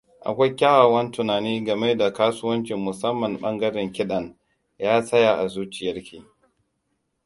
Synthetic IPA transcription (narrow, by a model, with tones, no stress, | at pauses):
ʔa̰˨kʷa˦jkʲaː˦waː˨wɐ˦ntʊ˨naː˨niː˦ɡɐ˨me˦da˨kaː˦sʊ˦wɐ˦nt͡ʃɪ˨mːʊ˨sɐ˦mːɐ˨mɓɐ˦ŋɡɐ˦ɽɪ˨ŋkʲɪ˦ɗɐ˨n | jaː˦sɐ˦ja˨ʔa˨zuː˦t͡ʃɪ˨jɐ˦rkʲiː˨